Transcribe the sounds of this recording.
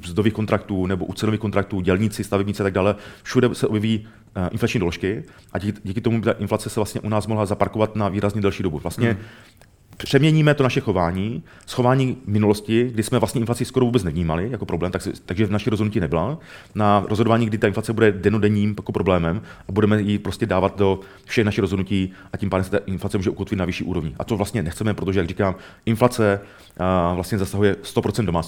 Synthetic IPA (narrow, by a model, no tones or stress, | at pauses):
zd̪oviːxkont̪ɾakt̪uːnɛboʔut͡sɛnoviːkont̪ɾak̚t̪uːɟɛlɲɪt͡sɪst̪avɛbɲɪt͡sɛʔat̪aɡdaːlɛfʃudɛsɛʔobjɛviː | ʔɪ̰nflat͡ʃɲiːdoloʃkɪ | ʔaɟiːkɪt̪omubɪt̪aʔɪnflat͡sɛsɛvlast̪ɲɛʔunaːsmoɦlazapaɾkovat̪naviːɾazɲɛdɛlʃiːdo̞buvlast̪ɲɛ | pr̥ɛmɲɛɲiːmɛt̪o̞naʃɛxo̞vaːɲiː | sxovaːɲiːmɪnuloscɪɡdɪsmɛvlast̪ɲɛɪnflat͡sɪskoɾovuːbɛt͡snɛvɲiːmalɪjako̞pɾo̞blɛːmt̪aksɛt̪aɡʒɛnaʃɛɾozodnuciːnɛbɪla | naɾozɦodovaːɲiːɡdɪt̪aʔɪnflat͡sɛbudɛdɛnodɛɲiːmjakopɾo̞blɛːmɛmʔabudɛmɛjɪpɾo̞scɛdaːvat̪̚do̞ | fʃɛxnaʃɪxɾozɦodnuciːʔacʲiːmpaːdɛmsɛt̪aʔɪnflat͡sɛmuːʒɛʔukot̪vɪt̪navɪʃiːʔṵːɾo̞vɲɪʔa̰t̪ovlast̪ɲɛnɛxt͡sɛmɛpɾot̪o̞ʒɛjaɡrikaːm | ʔɪnflat͡sɛ | vlast̪ɲɛzasaɦujɛst̪opɾot͡sɛndomaːt͡s